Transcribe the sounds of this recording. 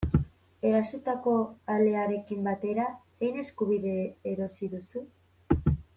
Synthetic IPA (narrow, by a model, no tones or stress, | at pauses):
e̞ɾasut̪ako̞ale̞aɾe̞kimbat̪e̞ɾase̞jne̞skuβiðe̞ːɾo̞siðusu